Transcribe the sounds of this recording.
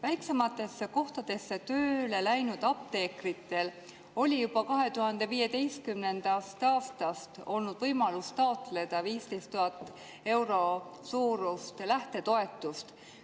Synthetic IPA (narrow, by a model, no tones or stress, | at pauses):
væjkse̞mɑt̪ːˑe̞sːeko̞ht̪ɑd̪̥e̞sːe̞t̪øːle̞læjnud̪̥ɑp̚t̪e̞ːkrit̪ˑːe̞l | o̞lʲijub̥ɑkɑɦe̞t̪uhɑnd̪̥e̞viːje̞d̪e̞jst̪̚kymne̞nd̪̥ɑst̪ɑːst̪ɑst̪o̞lnud̪̥vɤjmɑlust̪ɑo̞t̪le̞d̪̥ɑviːst̪e̞jst̪ːuɦɑt̪ːˑ | e̞wɾo̞suːɾust̪læht̪e̞t̪o̞e̞t̪ːˑust̪